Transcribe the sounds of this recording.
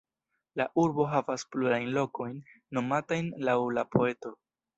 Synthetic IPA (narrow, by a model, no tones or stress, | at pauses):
laʔuɾbo̞ɦavaspluɾajnlo̞ko̞jnː | o̞matajnlawlapʰo̞e̞to̞